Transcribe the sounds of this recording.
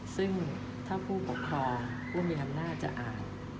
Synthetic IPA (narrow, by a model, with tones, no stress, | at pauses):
sɯ˥˩ŋ | t̪ʰaː˥˩pʰuː˥˩pʰo˨˩˦p̚kʰɾɔː˧ŋ | pʰuː˥˩miː˧ʔa˧mnaː˥˩t̪̚t͡ɕa̰˨˩ʔaː˨˩n